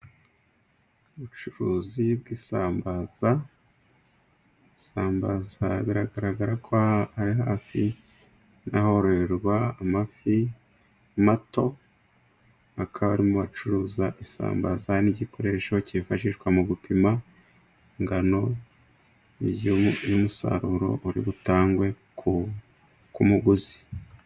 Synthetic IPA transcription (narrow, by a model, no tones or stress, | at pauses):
uβut͡ʃuɾuːzib̚ɡisaːmbaza | isaːmbazaβiɾaɡaɾaɡaɾakʰoaɾiɦaːfi | naho̞ɾoɾeɾɡwaːmafi | mato̞ | akʰaβaɾimuβat͡ʃuɾuːzaʔisa̰ːmba̰zaniɟiko̞ɾe̞ːʃo̞cifaʃiʃɡwamuɡupima | iŋɡano̞ | jumusa̰ɾuɾo̞̰ʔuɾḭβutaːŋɡwe̞ | ku | kumuɡuzi̥